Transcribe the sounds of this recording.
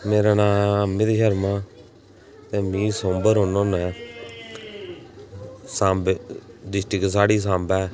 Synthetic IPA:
meːɾaːnãːəmːĩːd̪iːʃəɾmãː | t̪eːmĩːsõːmbəɾɦonõːnɛː | sãːmbdɪsʈɪksaːɽiːs̬ãːmbɛː

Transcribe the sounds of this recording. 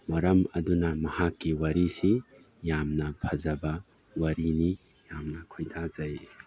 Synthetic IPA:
mɐɾɐmɐdunɐmɐhakːiwɐɾisi | jamnɐpʰɐzɐbɐ | wɐɾini | jamnɐkʰojdazɐj

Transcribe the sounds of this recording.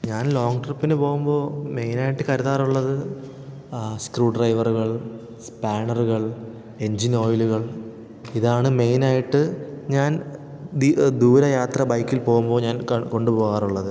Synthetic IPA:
ɲaːnlo̞ːŋɡʈrɐpːinɨpo̞ːɣumbo̞ːme̞jnaːjiʈːɨkɐɾuðaːruɭːɐðɨ | skruːɖrɐjʋɐruɣɐɭ | spaːɳɐruɣɐɭ | e̞ɲd͡ʑino̞ːjiluɣɐɭ | iðaːɳɨme̞jnaːjiʈːɨɲaːn | d̪id̪uːɾɐjaːt̪rɐbɐjkːilpo̞ːɣumbo̞ːɲaːnkɐko̞ɳɖupo̞ːɣaːruɭːɐðɨ

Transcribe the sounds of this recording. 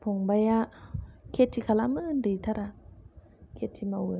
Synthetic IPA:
pʰoŋbajakʰetʰːikʰalamɯndit̪ʰaɾa | kʰetʰimawə

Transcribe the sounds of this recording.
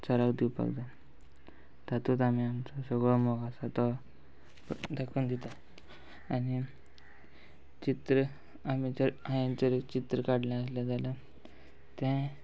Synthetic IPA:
t͡səɾakd̪iwpa̰kd̪a | d̪at̪ut̪amiamt͡sasəɡɭɔmoɡasat̪ɔ | d̪ʱakʰuːnd̪it̪a | ani | t͡ɕit̪ɾə | amit͡ɕəãjẽt͡səɾekt͡ɕit̪ɾəkaɽljãəs̬lad͡zalə | t̪ɛ̃

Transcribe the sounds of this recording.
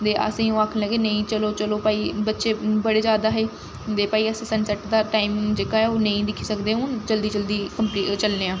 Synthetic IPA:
d̪eːʔə̰sĩːõːaːkʰnːləɡeːnəĩːt͡ʃəloːt͡ʃəloːpaːiːbətːʃeːbəɽeːzjaːd̪aːɦeː | d̪eːpaːiːəsĩːsənsɛːʈd̪aːʈaːimd͡ʒeːkaːɦɛːoːnə̃ĩːd̪ɪkʰːiːsəkd̪eːʊnd͡ʒəld̪iːd͡ʒəld̪iːkəmplit͡ʃəlneːãː

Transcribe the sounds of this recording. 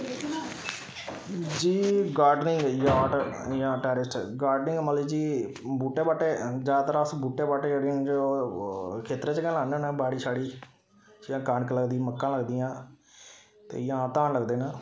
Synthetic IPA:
d͡ʒiːɡaːɾɖnɪ̃ŋɡjaːʈjãːʈɛːɾɪsʈɡaːɾɖnɪ̃ŋɡməliːd͡ʒiː | buːʈːeːbaːʈeːd͡ʒaːd̪t̪əɾaːsbuːʈːeːbaːʈeːɽɪ̃d͡ʒ | kʰeːt̪ɾeːt͡ʃkɛ̃ːlaːnẽːnaːbaːɽiːsʰaːɽiː | d͡ʒjãːkaːnkləɡd̪iməkːãːləɡd̪ijãː | t̪ḛːjãːt̪ãːnləɡd̪eːnaː

